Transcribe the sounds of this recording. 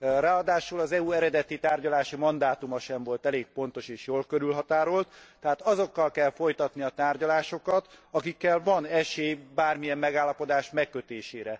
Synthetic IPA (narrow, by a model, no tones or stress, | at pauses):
raːɒd̪aːʃulɒzɛuɛɾɛd̪ɛt̪it̪aːrɟɒlaːʃimɒnd̪aːt̪umɒʃɛɱvo̞lt̪ɛleːk̚po̞n̪t̪o̞ʃeːʃjoːlkøɾylɦɒt̪aːɾolt̪t̪ɛɦaːt̪ɒzo̞kːɒlkɛlfo̞jt̪ɒt̪niɒt̪aːrɟɒlaːʃo̞kɒt̪ɒkikːɛlvɒnɛʃeːbaːrmijɛmːɛɡaːlːɒpo̞d̪aːʃmɛkːøt̪eːʃeːɾɛ